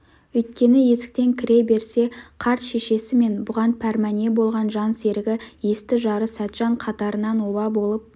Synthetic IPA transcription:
ɵjt̪̚kʲe̞nɪje̞sɪ̥k̚t̪e̞ŋkʲʰɪɾe̞be̞ɾse̞qʰɑɾt̪ʃe̞ʃe̞sɪme̞nbʊʁɑnpʰæɾmæne̞bo̞lˠʁɑnʒɑnse̞ɾɪɡʲɪje̞st̪ɪʒɑɾəsæt̪ʒ̥ɑɴqʰɑt̪ɑɾənɑnwobɑbo̞lˠəp̚

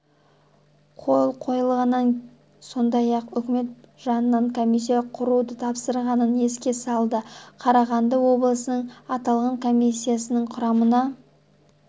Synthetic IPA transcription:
qʰo̞lˠqʰo̞jəlˠʁɑnːɑŋ | so̞nd̪ɑjɑqʏkʲɪme̞t̪ʒɑnənɑɴkʰo̞mijs̬ːijɑqʰʊɾud̪ət̪ʰɑpsəɾʁɑnəne̞skʲe̞sɑlˠd̪əqʰɑɾɑʁɑnd̪əwo̞blˠəsənəɴɑt̪ɑlˠʁɑŋkʰo̞mijsʲːijasənəɴqʰʊɾɑmənɑ

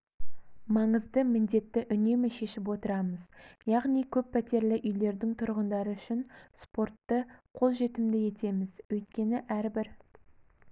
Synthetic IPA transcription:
mɑɴəzd̪əmɪnd̪e̞t̪ːɪʔʏne̞mɪʃe̞ʃɪpwo̞t̪əɾɑməzjɑʁnijkʲʰɵpːʰæt̪e̞ɾlɪʔʏjle̞ɾd̪ɪŋt̪ʰʊɾʁənd̪ɑɾəʏʃɪnspo̞rt̪ːəqʰo̞lˠʒe̞t̪ɪmd̪ɪje̞t̪e̞mɪzwɵjt̪̚kʲe̞nɪʔæɾbɪɾ

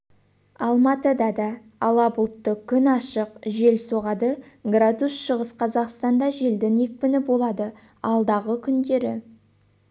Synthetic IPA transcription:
ɑlˠmɑt̪əd̪ɑd̪ɑ | ɑlˠɑbʊlˠt̪ːəkʲʰʏnɑʃəqʒe̞lso̞ʁɑd̪əɡrad̪usʃəʁəsqʰɑzɑqst̪ɑnd̪ɑʒeld̪ɪŋe̞k̚ʲpɪnɪbo̞lˠɑd̪ə | ɑlˠd̪ɑʁəkʲʰʏnd̪e̞ɾɪ

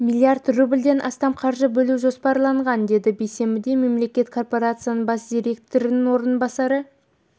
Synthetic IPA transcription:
mʲilʲˠiart̪rubɪlʲd̪e̞nʔɑ̰st̪ɑmqʰɑɾʒəbɵluʒo̞spɑɾlˠɑɴʁɑnd̪e̞d̪ɪbe̞jse̞mbɪd̪e̞me̞mle̞kʲe̞t̪kʰo̞rpo̞ɾat̪sɨjanəɴbɑsd̪ʲijɾʲe̞k̚t̪o̞ɾɪnɪŋwo̞ɾənbɑsɑɾə

